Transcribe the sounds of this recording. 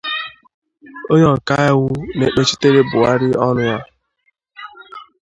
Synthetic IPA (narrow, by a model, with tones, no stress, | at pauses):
o˦ɲɔ˦˨ŋ̩˨ka˦ɪ˦ɣʊ˦ne˨k͡pe˦t͡ʃi˦te˦ɾe˦bʊ˨a˦ɾɪ˦ɔ˦nʊ˦a˦